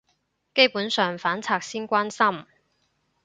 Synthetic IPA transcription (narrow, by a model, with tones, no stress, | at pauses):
ke˥jpuː˨˥nsœː˨ŋfaː˨˥nt͡sʰaː˧k̚siː˥nkʷaː˥nsɐ˥m